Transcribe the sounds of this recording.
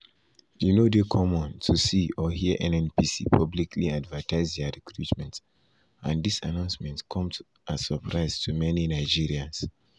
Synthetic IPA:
junodekʰɔmɔ̃ntʰusiɔhiəʔɛ̃nɛ̃npisḭpʰɔblikʰliadvətʰaɪzdaɹikʰɹutmɛ̃nt | ʔãndisa̰nãʊ̃nsmɛ̃ntkʰɔ̃mt | ʔasəpʰɹaɪztʰumɛninaɪd͡ʒiɹiãns

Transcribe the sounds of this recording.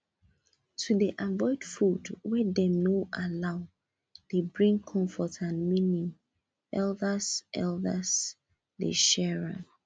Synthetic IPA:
tʰudiʔavɔɪdfudwɛdɛ̃mnoʔalaʊ | debɹĩŋkʰɔ̃mfɔtʰãnmĩnĩŋ | ɛldəsʔɛ̰ldəs | dḛʃɛɹã̰

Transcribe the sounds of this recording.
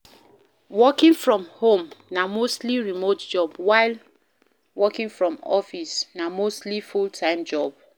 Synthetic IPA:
wɔkĩŋfɹɔ̃mhõmnamostliɹimotd͡ʒɔbwaɪl | wɔkĩŋfɹɔ̃mɔfisnamostlifultʰãɪ̃md͡ʒɔb̚

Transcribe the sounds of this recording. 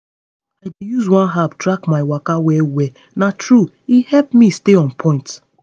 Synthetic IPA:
ajdejuzwãnɦaptɹakmaɪwakawɛwɛ | natʰɹu | ihɛlpmisteɔ̃npʰɔ̃ɪ̃nt

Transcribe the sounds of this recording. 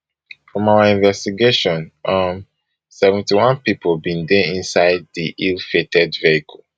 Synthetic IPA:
fɹɔ̃mawaĩɱvɛstiɡeʃɔ̃nʔʌm | sɛvɛ̃ntiwãnpipʰobĩndeĩnsaɪd̚ðiʔilfetʰɛdvehikʰɔl

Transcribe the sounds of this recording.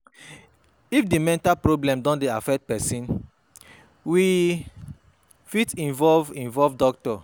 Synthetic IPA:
ifdimɛ̃ntapɹoblɛ̃mdɔ̃ndeafɛk̚t̚pɛsĩn | wi | fitĩnvɔvĩnvɔvdɔktɔ

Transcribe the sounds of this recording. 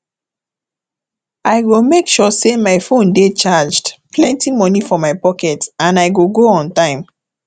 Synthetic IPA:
aɪɡomekʃɔsemaɪfõndet͡ʃad͡ʒdpʰlɛ̃ntimɔnifɔmaɪpɔkɛtãnaɪɡoɡoɔ̃ntãɪ̃m

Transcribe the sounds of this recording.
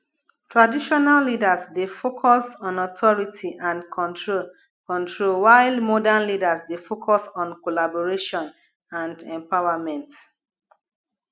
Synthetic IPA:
tʰɹadiʃɔnalːidasdefokʰɔsɔ̃nɔtʰɔɹitʰiʔãnkʰɔ̃ntɹo | kɔ̃ntʰɹolwaɪlmɔdãnlidasdefokʰɔsɔ̃nkolabɔɹeʃɔ̃n | ãndɛ̃mpawamɛ̃nt

